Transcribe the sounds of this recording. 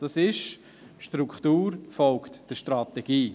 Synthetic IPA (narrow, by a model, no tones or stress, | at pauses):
d̥ɑsɪʃ | ʃtɾukχtuːɾfɔlktd̥əʃtɾatɛɡ̥iː